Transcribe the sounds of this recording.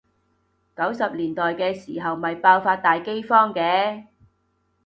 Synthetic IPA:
kɐ˨˥wsɐ˨p̚liː˨˩nt̪ɔː˨jkɛː˧siː˨˩ɦɐ˨wmɐ˨jpaː˧wfaː˧t̚t̪aː˨jke˥jfɔː˥ŋkɛː˨˥

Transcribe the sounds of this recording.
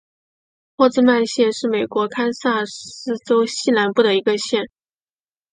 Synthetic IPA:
xwɔ˥˧t͡sɹ̩˥˧ma˥˧nɕjɛ˥˧nʂɻ̩˥˩me˨˩ɪkwɔ˧˥kʰa˥nsa˥˩ɹ̩˥t͡so˥ʊɕi˥˩la˧˥npu˥˩d̪ə˩i˧˥ɡə˧ɕjɛ˥˩n

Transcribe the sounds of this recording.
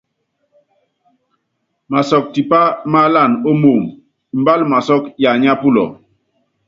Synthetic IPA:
ma˨sɔ˨k̚ti˨pa˦ma˦la˦˨no˦mo˨ŋ˨ | m˨ba˦lma˨sɔ˦kja˨ɲa˦pu˦lɔ̰˨

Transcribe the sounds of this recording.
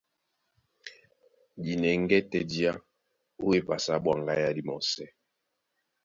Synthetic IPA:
di˨nɛ˨ŋ˦ɡɛ˦tɛ˦di˦a˦ | o˦e˦pa˨sa˨˦bwa˨ŋɡa˦ja˦di˦mɔ˨sɛ˦

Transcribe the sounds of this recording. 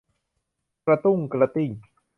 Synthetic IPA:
kɾa˧t̪u˥˩ŋkɾa˧t̪i˧˩ŋ

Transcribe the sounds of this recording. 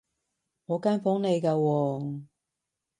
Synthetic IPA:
ŋɔː˨˧kaː˥nfɔː˨˥ŋne˨˧jkaː˧wɔː˧

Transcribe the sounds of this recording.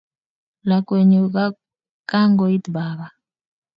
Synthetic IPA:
la˨kʼwe˨ɲɛ˨k̬a˦ | kʼa˦ŋɡɔ˨i˦tbaː˨βa˨

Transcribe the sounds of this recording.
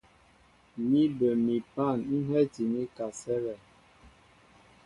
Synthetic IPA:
mi˦bə˨mi˨pa˦˨nn̩˦ɦɛ˦ti˨mi˦ka˨sɛ˦ɣɛ˨

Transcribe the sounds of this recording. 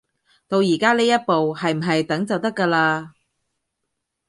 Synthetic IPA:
t̪o˧wjiː˨˩kaː˥leː˥jɐ˥t̚po˨whɐ˨jm̩˨˩ɦɐ˨jt̪ɐ˨˥ŋt͡sɐ˨wt̪ɐ˥kːɐː˧laː˧

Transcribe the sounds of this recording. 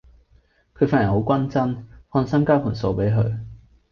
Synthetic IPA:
kʰɵ˨˧ɥfaː˥njho˨˧˥wkʷɐ˥nt͡sɐ˥nhɔː˧nsɐ˥mkaː˥pʰu˨˩nso˧wpe˨˥jɦɵ˨˧ɥ

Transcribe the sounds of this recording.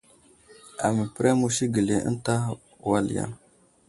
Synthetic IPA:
a˨mə˨pɾɛ˦mu˦ʃi˦ɡə˨le˨ə̰˦n˦ta˦˨ | wa˦lja̰˦˨n

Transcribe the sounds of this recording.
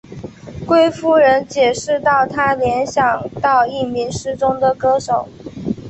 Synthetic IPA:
kwe˥ɪfu˥ɻə˧˥nt͡ɕjɛ˨˩ʂɻ̩˥˧t̪ɑ˥˩ʊt̪ʰa˥ljɛ˧˥nɕjɑ˨˩ŋt̪ɑ˥˧ʊi˥˩mi˧˥nʂɻ̩˥ʈ͡ʂʊ˥ŋd̪ə˨kɤ˥ʂo˨˩˦ʊ

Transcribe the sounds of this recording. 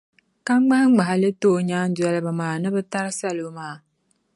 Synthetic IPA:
ka˦ŋ͡mɡ͡ba˦hɡ͡ba˨ɦa˨lɨ˦toː˦˨ɲaː˦n˦dwɛ˦lɨ˦ba˨maː˨nɨ˦bɨ˦ta˦ɾɨ˦sa˦lo˨˦maː˦˨

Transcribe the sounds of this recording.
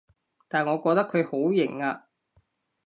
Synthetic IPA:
t̪aː˨nŋɔː˨˧kɔː˧t̪ɐ˥kʰːɵ˨˧ɥho˨˥wjɪ˨˩ŋaː˧

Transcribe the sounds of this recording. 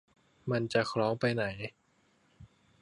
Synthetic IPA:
ma˧nt͡ɕa˨kʰɾɔː˦˥ŋpa˧jna˩˦j

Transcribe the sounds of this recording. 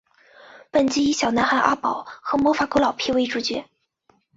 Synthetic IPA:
pə˨˩nt͡ɕi˥i˧˥ɕjɑ˨˩ʊna˧˥nxa˥˩nʔa̰˥pɑ˨˩˦ʊxɤ˧˥mwɔ˧˥fa˧˥ko˧˥ʊlɑ˨˩ʊpʰi˥˧we˥˧ɪʈ͡ʂu˧˥t͡ɕɥɛ˧˥

